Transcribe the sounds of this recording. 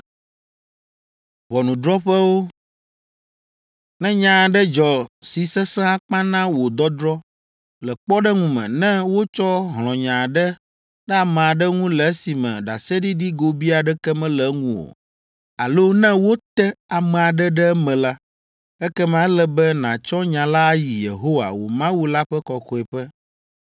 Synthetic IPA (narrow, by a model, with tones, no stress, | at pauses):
βɔ˨nũ˨d̪ɾɔ˦ɸɛ˦wo˦ | nɛ̃˦ɲã˨ɖɛ˦d͡ʒɔ˨si˨sɛ˦sɛ̃˦a˦˨k͡pã˦nã˦wo˨d̪ɔ˦d̪ɾɔ˦ | lɛ˨k͡pɔ˦ɖɛ˦ŋũ˨mɛ̰̃˨nɛ̃˦wo˦t͡ʃɔ˦ɦl̃ɔ̃˨ɲã˨ɖɛ˦ | ɖɛ˦a˨mɛ̃˨a˨ɖɛ˦ŋũ˦lɛ˨˦si˨mɛ̰̃˨ɖa˨sɛ˦ɖi˦ɖi˦ɡo˨bi˦a˨ɖɛ˦kɛ˦mɛ̃˦lɛ˨˦ŋũ˦˨wo̰˨ | a̰˨lo˦nɛ̃˦wo˦t̪ɛ˦a˨mɛ˨a˨ɖɛ˦ɖɛ˦mɛ̃˨la˦ | ɛ˦kɛ˦mã˨˦lɛ˨bɛ˦nã˨t͡ʃɔ˦ɲã˨la˦ji˨je˨ɦo˦wa̰˨wo̰˨mã˦wu˦la˦ɸɛ˦kɔ˨xɔ˨ɛ˨ɸɛ˦